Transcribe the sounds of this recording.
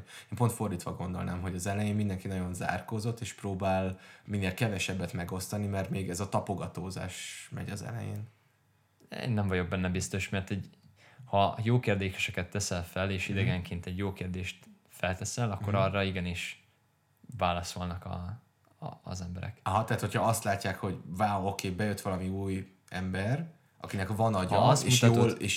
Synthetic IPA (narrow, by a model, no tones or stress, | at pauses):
eːmpo̞nt̪fo̞rd̪iːt̪ʋɒɡo̞nd̪o̞lnaːmɦo̞ɟɒzɛlɛjeːnmind̪ɛŋkinɒɟo̞nza̰ːrkoːzo̞t̪ːeːʃproːbaːlminːeːlkɛvɛʃɛbːɛt̪mɛɡo̞st̪ɒnimɛrt̪meːɡɛzɒt̪ɒpo̞ɡɒt̪oːza̰ːʃmɛ̰ɟɒzɛ̰lɛ̰jḛːn | ḛːnːɛɱmvɒɟo̞ɡ̚bɛnːɛbist̪o̞ʃmɛrt̪ɛɟhɒjoːkeːrd̪eːʃɛʃɛkɛt̪ːɛsɛlfɛleːʃid̪ɛɡɛŋkeːnt̪ɛɟjoːkeːrd̪eːʃt̪ | fɛlt̪ɛsɛlɒkːo̞ɾɒrːɒiɡɛniʃ | vaːlɒso̞lnɒkɒ̰ː | zɛmbɛɾɛ̰kɦɒt̪ɛaːt̪hochɒɒst̪laːcːaːkho̞ɟvaːokʰeːbɛjøt̪ʋɒlɒmiuːj | ɛmbɛr | ɒ̰kinɛkvɒnɒɟɒsemuʃt̪ɒooleːʃ